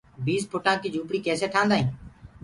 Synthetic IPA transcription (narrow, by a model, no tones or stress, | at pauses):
biːspʰʊʈãːkɪd͡ʒuːpɽiːkeːseːʈ̪ʰãːnd̪aːɦĩː